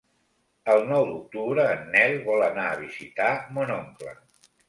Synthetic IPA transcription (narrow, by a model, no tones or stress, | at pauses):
əlˠnɔwd̪uk̚t̪uβɾəːnːɛlβɔlənaəːβ̞izit̪amonoŋklə̰